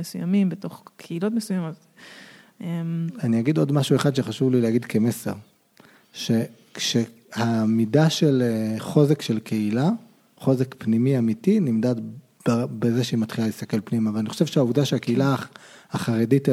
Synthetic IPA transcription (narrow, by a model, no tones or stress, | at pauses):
esuja̰mimbeto̞χkʰeilotmesujamot | emaniaɡido̞dmaʃueχad̪ʃe̞χaʃuvlileaɡidkemeseʁ | ʃe̞ | kʃe | hamidaʃe̞leχo̞zekʃe̞lkʰe̞ila | χo̞zekpnimiamitinimdat | bbezeʃeimat̪χilalist̪ake̞lpnimavalaniχo̥ʃe̞vʃeauvdaʃeake̞ilaaχaʁedit